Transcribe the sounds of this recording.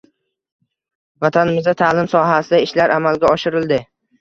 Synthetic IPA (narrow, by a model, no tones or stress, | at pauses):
vat̪ʰanɪmɪzd̪at̪ʰalɪmsɒɦasɪd̪aɪʃlaɾʔamalɡʲaɒʃɪɾɪld̪ɪ